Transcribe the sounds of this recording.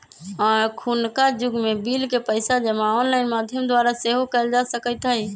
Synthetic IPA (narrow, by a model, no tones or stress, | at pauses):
ɔːɾkʰunkad͡ʒʊɡmebilkepəɪsad͡ʒəmaɔnlaɪnmad̪ʱjəmd̪waɾaseɦokəɪld͡ʒasəkət̪ɦəɦi